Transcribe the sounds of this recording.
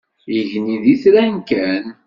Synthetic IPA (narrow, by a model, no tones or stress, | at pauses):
iʝniðiθɾænkæn